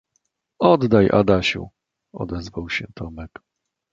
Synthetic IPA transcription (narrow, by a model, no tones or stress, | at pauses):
ɔd̪ːajʔa̰d̪aɕṵ | ɔ̰d̪ɛzvawɕɛ̰t̪ʰɔmɛk